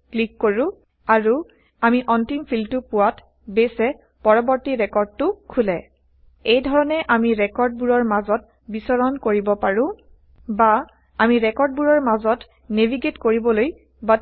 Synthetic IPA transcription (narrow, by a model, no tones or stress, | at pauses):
klikːoɹʊ̃ | aɹu | amiʔɔntimpʰiltupʊwat | besɛ | pɔɹɔbɔɹtiɹɛkɔɹd̚tʊkʰulɛ | ejdʱɔɹɔnɛʔamiɹɛkɔɹd̚buɹɔɹmazɔt | bisɔɹɔnkoɹibɔpaɹʊ̃ | ba | amiɹɛkɔɹd̚buɹɔɹmazɔt | nebʱiɡetkoɹibɔloj | ba